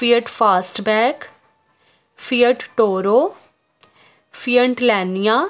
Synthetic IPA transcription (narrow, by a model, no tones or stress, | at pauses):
piːəʈpʰaːsʈbɛːk | pʰiːəʈʈoːɾoː | pʰijəɳʈlɛːnijaː